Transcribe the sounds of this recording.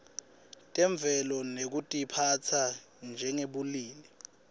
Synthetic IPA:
tʼɛɱb̪vʱɛlɔnek̬utʼipʰat͡sʰa | nd͡ʒʱɛŋeɓuliːlɛ

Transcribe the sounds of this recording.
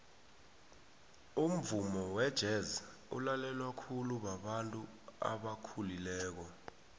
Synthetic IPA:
um̩vumɔwɛd̥ʒ̥ʱɛza | ṵlalɛlwakʰuluɓaɓantʼu | a̰ɓakʰulilɛːk̬ɔ

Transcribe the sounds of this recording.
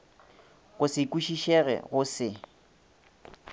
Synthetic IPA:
ɣʊsɪkʼuʃiʃɛɣɛ̰ɣʊsɪ

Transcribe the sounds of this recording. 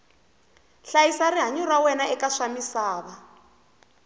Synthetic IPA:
ɬajisariɦaɲurawɛnaɛkaʂamisaːβa

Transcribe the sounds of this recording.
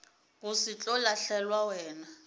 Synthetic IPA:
k̬ʼusit͡ɬʼɔlaɬɛlwawɛːna

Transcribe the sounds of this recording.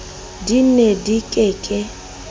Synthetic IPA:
dinedikʼekʼɛ

